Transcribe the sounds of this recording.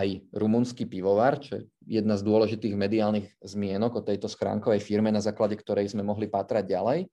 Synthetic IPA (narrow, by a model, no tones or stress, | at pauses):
ajɾumunskipiʋɔʋaɾt͡ʃɔjɛ̰ | jɛd̪nazd̪ʊɔlɛʒit̪iːɣmɛd̪iaːlniɣzmɪɛnɔɡɔt̪ɛjt̪ɔsxɾa̰ːŋkɔʋɛjfiɾmɛnazaːklaɟɛkt̪ɔɾɛjzmɛmɔɦlipaːt̪ɾaɟ̚ɟalɛj